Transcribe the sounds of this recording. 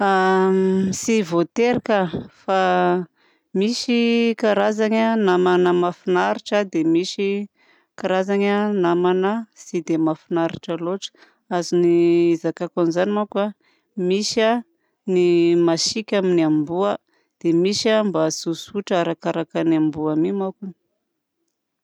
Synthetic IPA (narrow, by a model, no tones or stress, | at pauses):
a | isivot̪eɾikəfa | miʃikaɾazaɲanamanəmafinaɾiʈ͡ʂəd̪emiʃi | kaɾazaɲanamanasid̪emafinaɾiʈ͡ʂəloʈ͡ʂə̥ | aziniizakakanizanimaka | misa | nimaʃikʲaminiambuə | d̪̥emiʃambasusuʈ͡ʂaɾakaɾakaniambuamimakun